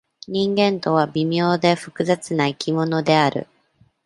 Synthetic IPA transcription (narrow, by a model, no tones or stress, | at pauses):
ɲ̟ĩŋɡẽ̞nt̪o̞β̞abʲimʲo̞ːd̪e̞ɸɯ̟kɯ̟zat͡sɨnaikʲimo̞no̞d̪e̞aɾɯ̟̰